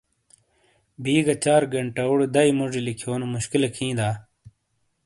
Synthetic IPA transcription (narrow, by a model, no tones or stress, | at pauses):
biːɡɐt͡ɕaːɾɡɐɳʈɐuɽed̪ɐimuʐilikʰjoːnumuɕkilɐkʰĩːd̪aː